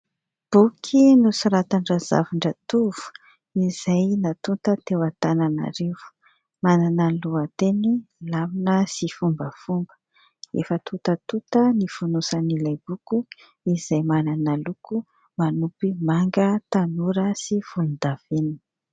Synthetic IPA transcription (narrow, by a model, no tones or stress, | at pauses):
b̥ukʰinusuɾat̪aɳɖ͡ʐaza̰vuɳɖ͡ʐət̪uv̥u̥ | iz̥ajnat̪unt̪ət̪ewat̪anana̰ɾevu̥ | mananaluat̪enilaminəsifumbəfumbə̥ | ḛfət̪ʰut̪ət̪ut̪ənifunusanilajb̥uku | iz̥ajmananaluku | manupimaŋɡət̪anuɾəsiv̥ulud̪av̥enii̥